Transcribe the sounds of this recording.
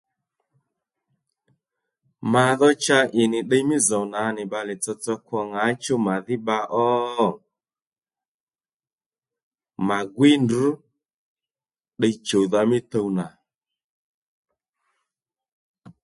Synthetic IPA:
ma˨ðɔ˦t͡ʃa˧ʔɪ˨nɪ˨ɗə˦˧jmɪ˦zo˨wna˨˦nɪ˨ɓa˧lɪ˨t͡sɔ˧t͡sɔ˧kwɔ˧ŋa˨˦t͡ʃo˦ma˨ðɪ˦ɓa˧ʔɔ˦˨ | ma˨ɡwɪ˦ndu˨˦ | ɗə˧t͡ʃo˨ða˧mɪ˦t̪ə˧wna˨

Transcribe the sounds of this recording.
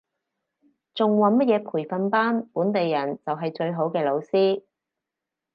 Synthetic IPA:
t͡sʊ˨ŋwɐ˨nmɐ˥t̚jɛː˨˧pʰuː˨˩jfɐ˨˧npaː˥npuː˨˥nt̪e˨jːɐ˨˩nt͡sɐ˨wɦɐ˨jt͡ʃɵ˧ɥɦo˨˥wkɛː˧lo˨˧wsiː˥

